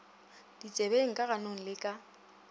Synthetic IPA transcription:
d̥it͡sʼebeŋ̩kʼaɣanoŋ̩lɪkʼa

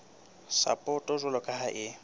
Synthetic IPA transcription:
sa̰pʼɔtʼɔzʷʊlɔkʼaɦaʔɪ

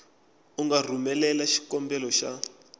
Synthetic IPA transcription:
uŋɡar̤umɛlɛlaʃi̥kɔmbɛlɔʃa

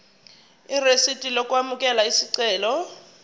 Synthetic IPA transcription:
iresid̥ʱʼilokʼuwamukʼɛlaisiǀɛːlɔ

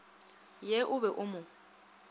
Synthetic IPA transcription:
jɛʔʊbɛʔʊmʊ

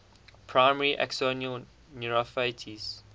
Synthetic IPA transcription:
pʰɹaɪməɹiʔɛ̰ksoniəl | nuɹəfeɪtʰis

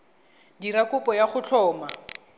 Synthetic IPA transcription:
diɾakʊpɔjaχʊt͡ɬʰɔːma

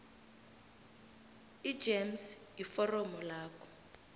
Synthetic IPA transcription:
i̥d͡ʒems | jifɔrɔmɔlaːkɔ̥

